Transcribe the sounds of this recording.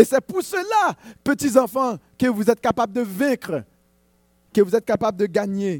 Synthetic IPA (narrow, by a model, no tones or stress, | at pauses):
esɛpuʁsəlapət̪izɑ̃fɑ̃kəvuzɛt̪̚kapabld̪əvɛ̃kχ | kəvuzɛt̪̚kapabld̪əɡaɲe